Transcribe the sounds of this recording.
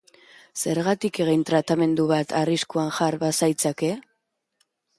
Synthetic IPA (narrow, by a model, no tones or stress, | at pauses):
se̞ɾɣat̪ike̞ɣent̪ɾat̪ame̞nd̪uβat̪ʰariskuanʝaɾβasajt͡sake̞